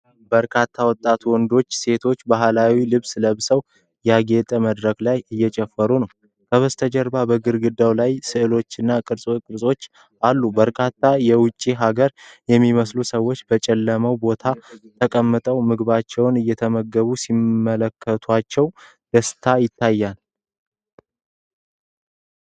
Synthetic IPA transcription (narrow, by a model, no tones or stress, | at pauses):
bəɾkʰat̪ʰːawɔt̪ʼːat̪ʰuwɔnd̪o̞t͡ʃːse̞t̪ʰo̞t͡ʃːbaɦlawilɨβsləβsəw | jaɡe̞t̪ʼəməd̪ɾəklajɨjːɛt͡ʃʼɛfːəɾunəw | kʰəβəst̪ʰəd͡ʒəɾbabəɡɨɾɡɨd̪ːawlajsɨʔɨlo̞t͡ʃːɨnːakʼɨɾsʼkʼɨɾsʼo̞t͡ʃː | alːubəɾkʰat̪ːajɛwʊt͡ʃʼːiɦaɡəɾjɛmːiməslusəwːo̞t͡ʃːbət͡ʃʼɛlːəməwbo̞t̪ʰat̪ʰəkʼəmːɨt̪ʼəwmɨɡβat͡ʃːɛwnɨjːɛt̪ʰəməɡːəβusimːələkʰːət̪ʰat͡ʃːɛw | d̪̥əst̪ʰajɪt̪ʰːajːal